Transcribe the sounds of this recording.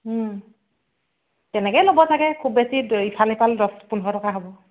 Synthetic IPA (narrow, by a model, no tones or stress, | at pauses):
tɛnɛkɛjlobɔtʰakɛkʰubbesiitʰalipaldɔspunɦɔtɔkaɦobɔ